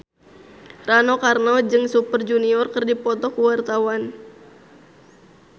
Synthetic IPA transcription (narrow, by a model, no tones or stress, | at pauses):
ranɔkarnad͡ʒɨŋsupərd͡ʒuniɔrkɨrdipɔt̪ɔkuwart̪awan